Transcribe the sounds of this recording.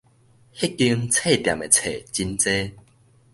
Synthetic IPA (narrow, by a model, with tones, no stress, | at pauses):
hi˦˥kːi˧ŋt͡sʰe˥˧˨t̪ja̰˨me˨t͡sʰe˨t͡ɕi˧nt͡se˦